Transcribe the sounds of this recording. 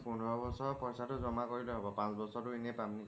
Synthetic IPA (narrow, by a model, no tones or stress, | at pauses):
punʱɹɔbɔsɔɹpɔjsatʊzɔmakoɹiloɦɔbɔpãsbɔsɔtuenɛpamni